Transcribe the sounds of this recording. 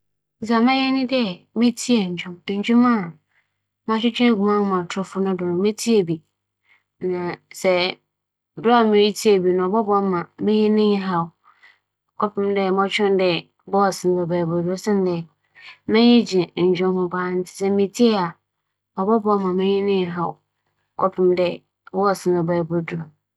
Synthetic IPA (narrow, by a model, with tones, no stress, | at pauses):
s̬a˨mã˦jɛ˦nɪ̃˦dɛ˦ | mẽ˦tʰi˦ɛ˨ɲ̩˨d͡ʑᶣʊ̃˦m˨ɲ˦d͡ʑᶣũ˦mã˦˨ | mã˦ɕᶣɪ˦t͡ɕᶣɛ̃˦˨ɡu˨mã˦n˦mã˨tʰɔ˦fʊ˦nʊ̃˦dʊ˨nʊ̃˨mẽ˦tʰi˦e˨bi˨ | nã˨sɛ˨ | bʊ˦a˨mɪ̃˨ɾi˦tʰi˦e˨bi˨nʊ̃˨ɔ˨bɔ˦bɔ˨˦mã˨mẽ˦ɲĩ˦nɪ̃˦ɲ˦ɦa˨ʊ˨˦ | kʰɔ˦pʰɪ̃˦mdɛ˦˨mɔ̃˦t͡ɕᶣɛ̃˦n˦dɛ˨ | bɔ˦ɔ˨sɪ̃˨nbɛ˨baː˨bo˨du˦sɛ̃˦n˦dɛ˨ | mɛ̃˦ɲɪ̃˦d͡ʑĩ˨ɲ̩˨d͡ʑᶣʊ̃˦hʊ̃˦baː˦n̩˦tʰɪ̥˨sɛ˦mĩ˨tʰi˦e˦a˨ | ɔ˨bɔ˦bmã˨mẽ˦ɲɪ̃˦nɪ̃˦˨ɦa˨w | kʰɔ˦pʰɪ̃˦mdɛ˦˨ | bɔ˦ɔ˨sɪ̃˦nbɛ˨ba˨bo˨du˨ɔ˨